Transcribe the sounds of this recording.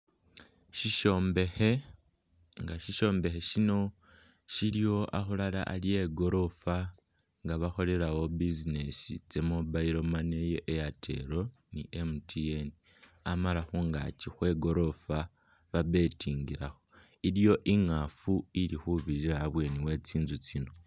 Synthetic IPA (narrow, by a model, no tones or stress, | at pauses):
ʃiʃoːmbe̞xe̞ | ŋɡaʃiʃo̞ːmbe̞xe̞ʃino̞ | ʃilijo̞ʔa̰xulala̰ʔːlije̞ɡo̞ɾo̞fa | ŋɡaβaxo̞le̞ɾawo̞bizine̞sḭt͡se̞mobaiɾo̞mane̞jeʔejatʰe̞̰ɾo̞ | nḭʔemutʰieni | amalaxuŋɡa̰t͡ʃixwe̞ɡo̞ɾo̞fa | βaβe̞tʰiːŋɡiɾaxo | iɾijo̞ʔiŋafuiɾixuβiɾiɾaːβwe̞ːniwe̞ːt͡siːnzut͡sino̞